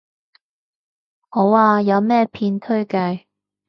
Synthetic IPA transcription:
ho˨˥waː˧jɐ˨˧wmɛː˥pʰiː˧nt̪ʰɵ˥ɥkɐ˧j

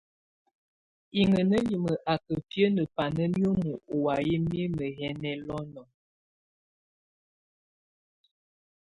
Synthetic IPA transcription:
i˨ŋə˨nə˦li˨mə˨ʔa˨kə˨pjə˦nə˨pa˨nə˦mjo˦mu˨o˨wa˨ji˦m˦i˦mə˨ɦɛ˦nɛ˦lɔ˦nɔ˨

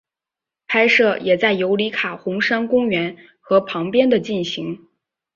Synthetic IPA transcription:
pʰa˥ɪʂɤ˥˩jɛ˨˩t͡sa˥˩ɪjo˧˥ʊli˧˥kʰa˨˩xʊ˧˥ŋʂa˥nkʊ˥ŋɥɛ˧˥n | xɤ˧˥pʰɑ˧˥ŋpjɛ˥nd̪ə˨t͡ɕi˥˩nɕi˧˥ŋ

